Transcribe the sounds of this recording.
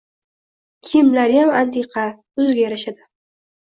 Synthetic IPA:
kʲʰɪmlaɾjamant̪ʰeqʰɑ | ʊzɡʲajaɾaʃad̪ɪ

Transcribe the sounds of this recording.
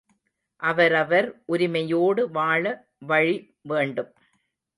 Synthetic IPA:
ʔɐʋɐɾɐʋɐɾʔʊɾɪmɐjoːɽɯʋaːɭɐ | ʋɐɻi | ʋeːɳɖɯm

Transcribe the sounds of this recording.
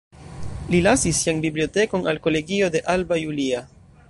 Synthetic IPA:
lilasisːianbiblio̞te̞ko̞nalko̞le̞ɡio̞d̪e̞ʔalbajulia

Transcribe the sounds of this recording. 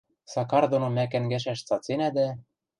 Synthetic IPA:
sɑkɑrd̪onomæk̬æ̆nɡæʃ̬æʃt͡sɑt͡senæd̪æ

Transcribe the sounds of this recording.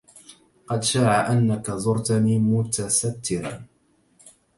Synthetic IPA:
qɑd̪ʃaːʕaʔanːakazʊɾt̪aniːmʊt̪asat̪ːɪɾa̰

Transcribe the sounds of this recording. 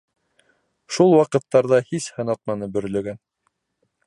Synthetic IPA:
ʃulˠwɑqɤ̆t̪ːɑɾðɑhishɤ̆nɑt̪̚mɑnɤbɵ̆ɾlɵ̆ɡæn

